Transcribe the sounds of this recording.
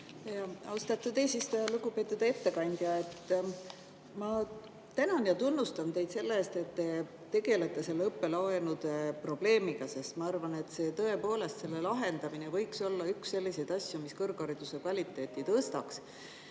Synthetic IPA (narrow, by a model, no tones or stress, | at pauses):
ɑɑwst̪ɑt̪ːˑud̪eːsist̪ujɑluɡupe̞ːt̪ːˑud̪̥ee̞t̪ːe̞kɑnʲd̪̥jɑe̞t̪ː | mɑ | t̪ænonjɑt̪unːust̪ɑnt̪e̞jd̪se̞lːeeːst̪e̞t̪ːe̞ | t̪ːe̞ɡe̞let̪ːe̞se̞lːɤpːe̞lɑenud̪̥pro̞b̥le̞ːmiɡ̥ɑse̞st̪mɑɑrvɑne̞t̪se̞ːt̪ɤe̞po̞ːle̞st̪se̞lːe̞lɑɦe̞nd̪ɑminevɤ̞jkso̞lːɑyksːe̞lʲːise̞jd̪ɑsʲjumiskɤrɡ̥ɑɾid̪̥use̞kvɑlʲit̪ːˑe̞ːt̪ːˑit̪ɤːst̪ɑks